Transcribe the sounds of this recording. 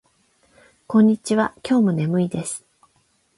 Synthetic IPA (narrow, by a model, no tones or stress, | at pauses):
kõ̞ɲ̟ːit͡ɕiβakʲo̞ːmone̞mɯ̟id̪e̞sɨ̥